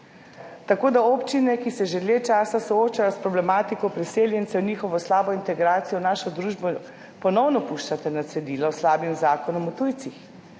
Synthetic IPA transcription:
t̪akoːd̪aoːpt͡ʃinɛkisɛʒeljeːt͡ʃaːsasɔoːt͡ʃajɔspɾɔblɛmaːt̪ikɔpɾiseːljɛnt̪sɛwniːxɔʋɔslaːbɔint̪ɛɡɾaːt̪sijɔnaːʃɔd̪ɾuːʒbɔ | pɔnɔwnɔpuʃt͡ʃat̪ɛnat̪sɛd̪iːlɔslaːbimzaːkɔnɔmɔt̪ujt̪six

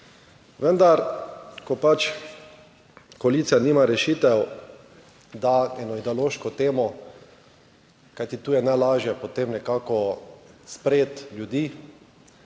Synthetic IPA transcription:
ʋənd̪aɾkɔpat͡ʃ | koaliːt̪sijaniːmaɾɛʃiːt̪ɛw | d̪aɛnɔid̪ɛoloːʃkɔt̪eːmɔ | kajt̪it̪uːjɛnajlaːʒjɛpɔt̪eːmnɛkaːkɔspɾeːt̪ljud̪iː

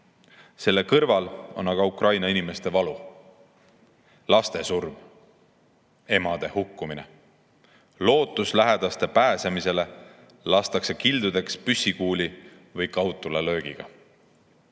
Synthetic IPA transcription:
se̞lːe̞kɤrvɑlo̞nɑɡɑukrɑjnɑinime̞st̪e̞vɑlu | lɑst̪e̞surm | e̞mɑd̪̥e̞hukːumine̞̰ | lo̞ːt̪ːˑuslæɦe̞d̪̥ɑst̪e̞pæːse̞mise̞le̞ | lɑst̪ɑkse̞kild̪̥ud̪e̞kspysʲːikuːli | vɤjkɑwt̪ːˑulelø̞ːɡ̥iɡ̥ɑ̰

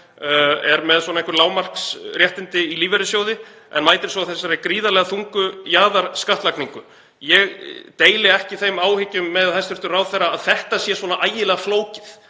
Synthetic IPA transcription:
ɛɾmɛðswɔnaɛŋkvʏɾlaːwmar̥ksrjɛht̪ɪnt̪ɪiliːvɛɾɪsjoːwðɪ | ɛ̰nmaːjt̪ɪɾ̥sɔaθɛsːaɾɪkɾiːðalɛɣaθuŋkʏjaːðaɾ̥skaht̪lakniŋkʏ | jɛɣt̪eːjlɪɛhcɪθejmaːwhɪcʏmːɛðhajst̪ʏɾ̥t̪ʏraːwθɛjraːðθɛht̪asjɛːsvɔːnaʔaːjɪlɛːɣafloːwcɪθ

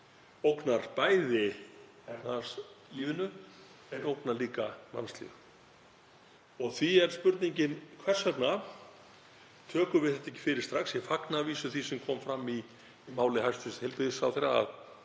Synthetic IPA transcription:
owknaɾpaːjðɪ | ɛt̪nasiːvɪnʏ | ɛɾowknaliːkama̰nst̪lɪ̰ | ɔɣθviɛɾ̥spʏɾt̪niɲcɪnkʰvɛr̥sɛt̪na | t̪ʰœːkʏvɪðθɛht̪aɛcːɪ̥fɪːɾɪ̥st̪ɾaxsjɛfaknaviːsʏθisɛmkʰɔːmfɾamːi | maːwlɪhajst̪ɪst̪hejlpɪðɪsawθejɾaa̰ð

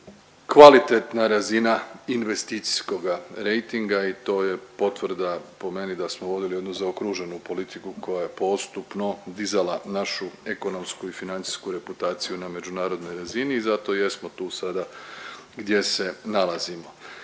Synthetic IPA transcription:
kʋalit̪e̞t̪naɾazinainʋe̞st̪it̪si̥sko̞ɡaɾe̞jt̪iŋɡait̪o̞ːje̞po̞t̪ʋrd̪apo̞me̞nid̪asmoʋo̞d̪ilije̞d̪nuzaokɾuʒe̞nupo̞lit̪ikuko̞jaje̞po̞st̪upno̞d̪izalanaʃue̞ko̞no̞mskuifinant̪si̥skuɾe̞put̪aːt̪sijuname̞d͡ʒunaːɾo̞d̪no̞jɾaziniːzat̪o̞je̞smo̞t̪uːsad̪a | ɡd̪je̞se̞nalazimo̞

